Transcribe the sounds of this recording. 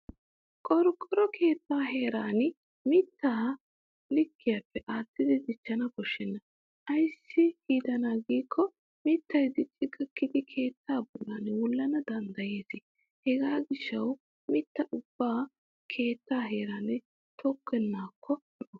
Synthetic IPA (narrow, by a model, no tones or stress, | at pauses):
kʼɔɾʊkʼːɔɾɔkʰe̞ːt̪ːaːɦe̞ːɾaːn | mɪt̪ːaː | lɪkʰːɪjɐpːɛʔaːt̪ːɪd̪ɪd̪ɪt͡ʃːɐnɐbɔʃːɛnːɐ | ʔɐjsːɪhiːd̪ɐnaːɡiːkʰːɔ | mɪt̪ːɐjd̪ɪt͡ʃʼːɪɡɐkːɪd̪ɪkʰe̞ːt̪ʰːaːbɔlːanwɔlːɐnɐd̪ɐnd̪ɐje̞ːsɪ | hɛɡaːɡɪʃːɐw | mɪt̪ːɐʔʊb̥ːaː | kʰe̞ːt̪ːaːɦe̞ːɾanɛ | t̪ʰɔkːɛnːaːkʰːɔ | ɔʔɔ